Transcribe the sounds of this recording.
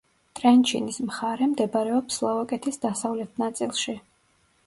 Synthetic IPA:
t̪ʼɾɛnt͡ʃʰḭnismχaɾɛmd̪ɛbaɾɛɔpslˠɔvakʼɛt̪ʰisd̪asavlɛt̪ʰnat̪sʼilˠʃi

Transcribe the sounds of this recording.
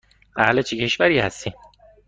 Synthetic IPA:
æ̰hlet͡ʃʰicʰeʃvæɾiːhæ̰st̪ʰi

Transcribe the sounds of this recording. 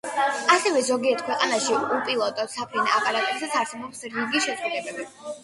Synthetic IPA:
asɛvɛzɔɡiɛt̪̚ʰkʰwɛqʼanaʃiupʼilˠɔt̪ʼɔt̪sapʰɾɛnaːpʼaɾat̪ʼisat̪sʰaɾsɛbɔpsɾiɡiʃɛt̪sʼχʼud̪ɛbɛbi

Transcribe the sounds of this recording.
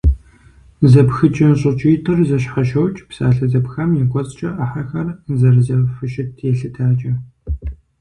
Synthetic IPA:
zɐpxɨt͡ʃʼɪnɕʼɨt͡ʃʼiːtʰɨrzɐʃħɐʃɐwt͡ʃʼpsa̰ːɬɐzɐpxɐmjɛqʷʼɔzʼt͡ʃʼɐʔɐħaxɐrzɐrzɐfɨʃɪtʰjɛɬɨtʰaːt͡ʃʼɐ

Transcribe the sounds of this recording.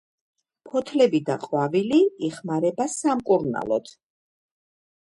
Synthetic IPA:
pʰɔt̪ʰlɛbid̪aqʼwaviliiχmaɾɛbasamkʼuɾna̰lˠɔt̪ʰ

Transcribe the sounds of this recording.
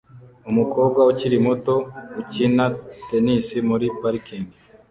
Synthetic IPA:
umukoːb̚ɡwauciɾimuto̞ucinatenisimuɾipaɾikini

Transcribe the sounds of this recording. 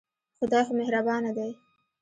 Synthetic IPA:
xʊd̪ɑjxomehɾabɑnad̪aj

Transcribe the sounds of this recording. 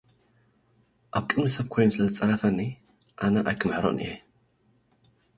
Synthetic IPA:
ʔaβkʼɨnusɐβ̚kʰojːumsɨlɐzɨt͡sʼɐɾɐfɐnːi | ʔanɐʔajkʰɨmɨħɾoʔnʔḭje

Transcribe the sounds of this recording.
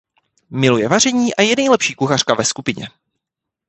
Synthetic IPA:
mɪlujɛvar̝ɛɲiːʔajɛnɛjlɛpʃiːkuxar̥kavɛskupɪɲɛ̰

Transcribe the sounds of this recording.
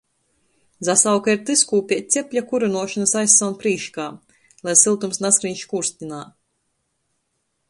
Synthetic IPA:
zasawkaiɾt̪ɨskuːpʲiɛt̪̚ʲt̪sʲepʲʎʲakuɾunuɔʃanasajsːawnpɾiːʃkaː | lˠajsilˠt̪umsnaskɾiɲʲʃkuɾsʲt̪ʲinaː

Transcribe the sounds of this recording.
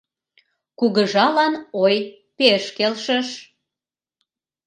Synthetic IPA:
kuɣəʒɑlɑnoj | peʃkelʃəʃ

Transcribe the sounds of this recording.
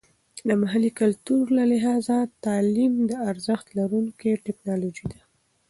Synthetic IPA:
d̪əmaɦalikalt̪uɾlalɪɦɑzat̪ɑlimd̪əaɾzəxt̪laɾuŋkeʈɪknɑlod͡ʒid̪a

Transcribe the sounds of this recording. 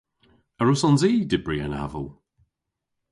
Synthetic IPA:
əɹʊsɔnziːdɪbɹiə̰na̰və̰lˠ

